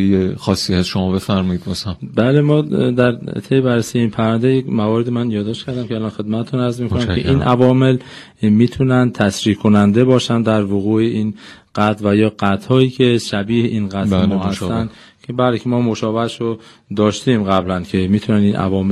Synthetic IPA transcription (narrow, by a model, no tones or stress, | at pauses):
jexɒːsːiæsʃomɒːbe̞fæɾmɒid̪̚bɒːsæmbæːle̞mɒːd̪æɾt̪ʰejebærːesijeiːnpʰæɾvænd̪ejekmævɒːɾed̪imænjɒːd̪ɒːʃtcʰæɾd̪æmcʰeælɒːnxe̞d̪̚mæt̪et̪ʰunæɾzmiːkonæmkʰḛʔiːnʔævɒːme̞l | miːt̪ʰunænd̪̚t̪ʰæsɾiːkʰonænd̪e̞bɒːʃænd̪æɾvoɣuːeʔiːn | ɢ̥æt̪ʰvæjɒːɡæt̪ʰhɒːiːcʰe̞ʃæbiːheʔiːnɡæt̪ːlmɔːhæst̪ːænd̪ | kʰebæːlekʰemɒːmo̞ʃɒːbeʃɾo | d̪ɒːʃt̪imɣæblæncʰe̞miːt̪ʰunæninʔæ̰vɒːme